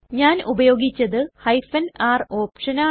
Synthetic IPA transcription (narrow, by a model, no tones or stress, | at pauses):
ɲaːnubɐjo̞ːɡit͡ɕːɐðɨhɐjfɐnaːro̞ːpʂɐnaː